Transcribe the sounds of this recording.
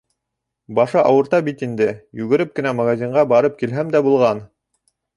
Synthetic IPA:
bɑʃɤʔɑwɤ̆ɾt̪ɑbit̪ind̪ɘjʉɡɘ̆ɾɘp̚kɘ̆næmɐɣazʲiɴɢɑbɑɾɤp̚kilɦæmd̪æbulˠʁɑn

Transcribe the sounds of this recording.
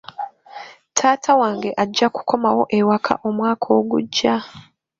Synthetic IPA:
tʰaːtʰawaːŋɡe̞ʔaɟːaku̥kʰo̞mawo̞ʔewakʰa̰ʔo̞mwaːkʰo̞ɡṵɟːa

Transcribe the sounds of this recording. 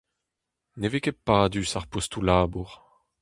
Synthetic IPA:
nevekepaːdysaʁpost̪ulaːbuʁ

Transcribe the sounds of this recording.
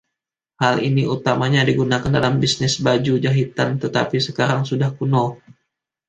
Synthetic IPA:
halḭniut̪amaɲadiɡunakandalambisnɪsbad͡ʒud͡ʒaɦit̪ant̪ət̪apisəkaɾaŋsudahkuno

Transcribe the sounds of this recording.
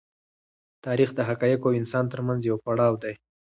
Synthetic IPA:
t̪ɑɾixd̪əɦakɑjakoawɪnsɑnt̪əɾmanzjawpaɽɑwd̪aj

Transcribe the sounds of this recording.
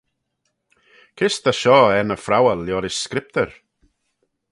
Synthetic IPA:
kʰɪst̪aʃɔːɛnəfɾawəljɔɾɪskɾɪp̚t̪əɹ

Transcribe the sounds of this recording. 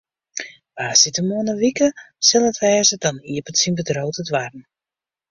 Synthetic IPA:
ʋaːsitəmuənəʋikə | sɪlˠətʋɛːzədɔniəpətsinbədroːtətʋarn̩

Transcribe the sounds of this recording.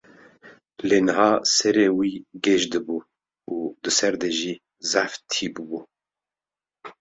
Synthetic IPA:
leːnɨɦɑːsɛɾeːwiːɡɛʒd̪ɨbuː | uːd̪ɨsɛɾd̪ɛʒiː | zæft̪ʰiːbɨbuː

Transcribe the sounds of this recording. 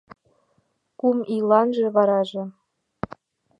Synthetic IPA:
kumilɑnʒĕβɑɾɑʒĕ

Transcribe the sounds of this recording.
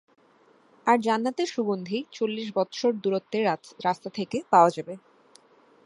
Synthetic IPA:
aɾd͡ʑanːat̪eʃubond̪ʱit͡ɕolːiʃ̬bɔt̪ʃoɾd̪uɾot̪ːeɾast̪at̪ʰekepaoad͡ʑabe

